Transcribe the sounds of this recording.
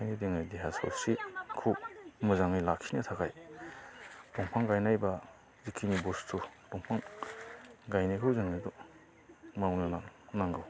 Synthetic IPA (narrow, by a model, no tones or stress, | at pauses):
kʰajnideŋɯjdeɦasɔ̰sikʰuwmɯzaŋɯjlakʰːinɯtʰakʰaj | dɔŋpʰaŋɡajnajba | zikʰinibustʰudɔŋpʰaŋ | ɡajnajkʰɯwzɯŋɯdɔ | mawnɯnanaŋɡɯw